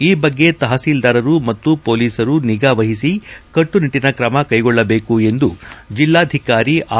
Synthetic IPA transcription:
iːbɐɡːe̞t̪ɐɦɐsiːld̪ɐːɾɐɾumɐt̪ːupo̞ːliːsɐɾuniɡaːʋɐɦisikɐʈːuniʈːinɐkɾɐmɐkɐjɡɔɭːɐbe̞ːkue̞nd̪ud͡ʒilːaːd̪ʱikaːɾiʔaː

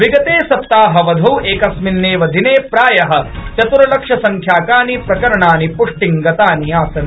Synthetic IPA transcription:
ʋiɡɐt̪eːsɐp̚t̪aːɦɐʋɐd̪ʱɐweːkɐsminːeːʋɐd̪ʱineːpɾaːjɐɦɐ̆t͡ʃɐt̪uɾɐlɐkʂɐsɐŋkʰjaːkaːnipɾɐkɐɾɐɳaːnipuʂʈiŋɡɐt̪aːnijaːsɐn

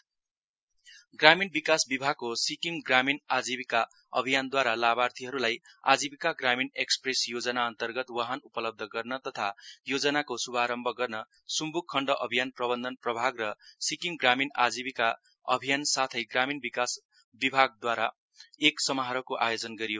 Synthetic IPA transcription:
ɡraminbikasbibʱaɡ̚kosikiŋɡraminad͡zibika | ʌ̰bʱijand̪waɾalabart̪ʰiɦʌɾulaja̰d͡zibikaɡraminekspresjod͡zʌnaʌnt̪ʌrɡʌt̪waɦanupʌlʌb̚d̪ʱʌɡʌrnʌt̪ʌt̪ʰajod͡zʌnakosubʱaɾʌmbʱʌɡʌrnʌ | sumbukʰːʌɳɖʌʔʌbʱijanprʌbʌnd̪ʱʌnprʌbʱaɡrʌsikiŋɡraminad͡zibika | ʌ̰bʱijansat̪ʰʌjɡraminbikas | bibʱaɡ̚d̪waɾa | eksʌmʌɦaɾʌkoʔajod͡zʌnɡʌɾijo

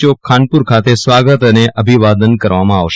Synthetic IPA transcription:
okʰanpuɾkʰat̪esʋaɡət̪əneʔəbʱiʋad̪ənkəɾʋamãaʋʃ

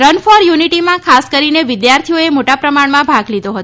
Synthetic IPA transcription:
ɾənfɔɾjuniʈimãkʰaskəɾineʋɪd̪jaɾt̪ʰioemoʈapɾəmaɳmãbʱaɡlid̪oɦət̪

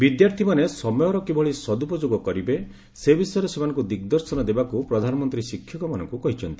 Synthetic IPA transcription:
bid̪jaɾt̪ʰimanesɔmɔjɔɾɔkibɔɭisɔd̪upɔd͡ʒoɡɔkɔɾibe | sebisɔjɔɾɔsemanɔ̃ŋkud̪ikd̪ɔɾsɔnɔd̪ebakupɾɔd̪ʱanɔmɔnt̪ɾisikʰːjɔkɔmanɔ̰ŋkukɔɦit͡ʃʰɔnt̪i̥

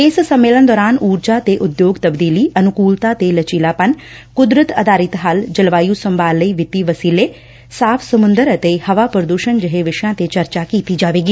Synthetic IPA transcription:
ɪssəmːeːlənd̪ɔːɾaːnuːɾd͡ʒaːt̪eːʔʊd̪joːɡt̪əbd̪iːliːʔənʊkuːlt̪aːt̪eːlət͡ʃiːlaːpən | kʊd̪ɾət̪əd̪aːɾɪt̪ɦəld͡ʒəlʋaːjuːsəmbaːlːəiːʋɪt̪iːʋəsiːleː | saːpʰsəmʊ̃nd̪əɾət̪ehəʋaːpɾəd̪uːʃənd͡ʒəɦeʋɪʃjãːt̪et͡ʃəɾt͡ʃaːkiːt̪iːd͡ʒaːʋeːɡiː

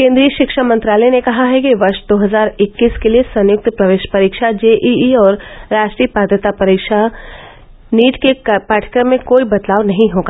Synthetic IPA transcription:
kẽːnd̪ɾijəʃɪkʃamɐ̃nt̪ɾaːlɛnekɐɦaɦɛkiʋɐɾʃd̪oːɦɐzaːɾɪkːiːskeliesɐ̃njʊk̚t̪pɾɐʋeːʃpɐɾiːkʃad͡ʒeːʔiiɔːɾːaːʃʈɾiːəpaːd̪ʱjət̪apɐɾikʃa | niːʈkepaːʈʰə̥kɾəmmːẽkoːibɐt̪laːʋnɐɦĩɦoːɡa

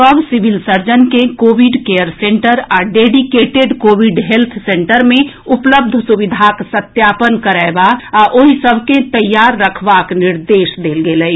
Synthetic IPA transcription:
əbsɪʋɪlsəɾd͡ʒənkẽkoːʋɪɖkejəɾsẽɳʈəɾaːɖeːɖikeːʈeɖkoːʋiɖɦelt̪ʰsẽɳʈəɾmẽ | ʊpləb̚d̪ʱsuʋɪd̪ʱaksət̪jaːpənkəɾaebaaʔoɦisəbʱkẽt̪əjːaːɾːəkʰʋaːknɪɾd̪eːʃd̪eːlɡeːlɛi

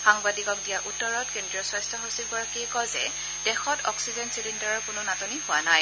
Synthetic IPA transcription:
xaŋbadikɔk̚dijaʔutːɔɹɔtkendɹiɔsɔjstʰɔɦosiɡɔɹakiɛkɔzɛ | d̥ɛxɔtʰɔksizɛnsilintaɹɔɹkʊnʊnatɔniɦʊwanaj

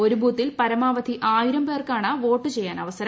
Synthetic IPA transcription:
o̞ɾubuːt̪ːilpɐɾɐmaːʋɐd̪ʱiʔaːjiɾɐmpe̞ːrkaːɳɐʋo̞ːʈːɨt͡ɕejːaːnɐʋɐsɐɾɐ

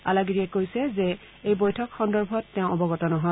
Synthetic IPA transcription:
a̰laɡiɹiɛkojsɛzɛ | ejbɔjtʰɔkxɔndɔɹbʱɔtːɛʊ̃ɔbɔɡɔtɔnɔɦɔ

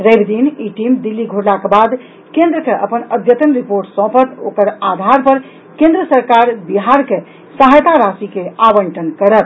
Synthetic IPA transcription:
ɾəbd̪iniʈimd̪ilːiɡʱuɽlakebad̪ | kẽnd̪ɾəkeʔə̰pənəd̪ʱjət̪ənɾipoɾʈsɔ̃pət̪o̰kəɾad̪ʱaɾpəɾ | kẽnd̪ɾəsəɾkaɾbiɦaɾke | səɦajt̪aɾasikeabəɳʈənkəɾəp

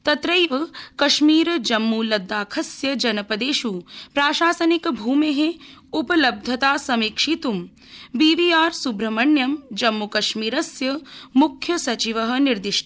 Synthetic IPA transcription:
t̪ɐt̪ɾɐjʋɐkɐʃmiːɾd͡ʒɐmːulɐd̪ːaːkʰɐsjɐd͡ʒɐnɐpɐd̪eːʃupɾaːʃaːsɐnikbʱuːmeɦeupɐlɐb̚d̪ʱjɐt̪aːsɐmiːkʂit̪um | biːʋiːaːɾsubɾɐmɐɳjɐmd͡ʒɐmːukɐʃmiːɾɐsjɐmukʰjɐsɐt͡ʃiʋɐɦɐ̆niɾd̪iʃʈʰɐ

